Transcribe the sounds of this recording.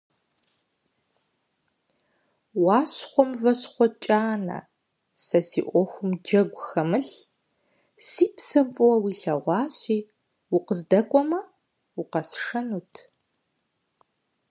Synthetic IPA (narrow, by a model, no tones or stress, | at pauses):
wɑːɕχʷɔmvɐɕχʷɔt͡ʃʼaːnɐ̰ | sɐsḭːʔʷɔxʷʊmd͡ʒɐɡʷʊxɐmɨɬ | siːpsɐmpʼʊwɐwiːɬɐʁʷɑːɕʼiː | wʊqəzdɐkʷʼɔmɐ | ʊqɐsʂɐnuːtʰ